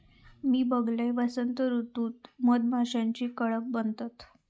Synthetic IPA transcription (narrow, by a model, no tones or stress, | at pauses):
miːbəɡlaʋasənt̪əɾut̪uːt̪məd̪maɕãɲt͡ɕiːkəɭəp̚bənt̪at̪